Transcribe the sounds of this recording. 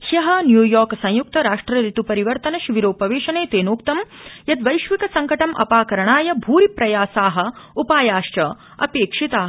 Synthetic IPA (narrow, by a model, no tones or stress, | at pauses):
hjɐɦɐnjuːjɔːɾksɐ̃j̃juk̚t̪ɐɾaːʂʈɾɐɾit̪upɐɾiʋɐɾt̪ɐnɐʃiʋiɾoːpɐʋeːʃɐneːt̪eːnoːkt̪ɐmjɐd̪ʋɐjʃʋikɐsɐŋkɐʈɐmʔɐ̰paːkɐɾɐɳaːjɐbʱuːɾipɾɐjaːsaːɦɐ̆upaːjaːʃt͡ʃɐ | ɐ̰peːkʂit̪aː